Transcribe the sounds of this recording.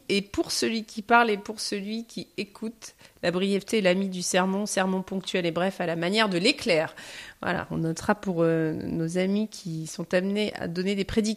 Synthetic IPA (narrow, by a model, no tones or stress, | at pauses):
epuʁsəlɥikʲʰipaʁlepuʁsəlɥikʲiekʰut̪labʁijɛft̪eːlamid̪ysɛʁmɑ̃sɛʁmɑ̃pɔ̃k̚t̪ɥɛlebʁɛfalamanjɛʁd̪əleklɛːʁvwa̰la̰ɔ̰̃nɔt̪χapuʁønozamikʲʰisɔ̃t̪amneʔa̰d̪ɔned̪epχed̪i